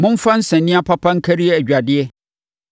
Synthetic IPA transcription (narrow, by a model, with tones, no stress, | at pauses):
mʊ̃˦m̩˦fã˦n̩˦sɛ̃˨nːɪ̃˦a˦pʰa˦pʰã˦ŋ̩˦kʰæ˦ɾi˦ɛ˦æ˨d͡ʑᶣa˨dɪ˦ɛ˦